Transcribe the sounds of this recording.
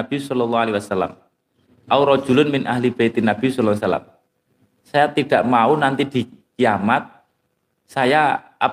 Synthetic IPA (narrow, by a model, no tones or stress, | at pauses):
ab̥isɔlɔlːɔhalewasalːa̰m | ʔauɾɔ̥d͡ʒ̥ṳlʊnmɪnʔaɦlib̥ait̪inab̥isɔlːlasala̰m | sajat̪iɖ̥a̤ʔmaunant̪id̪̥i̤kiamat̪̚ | saja | a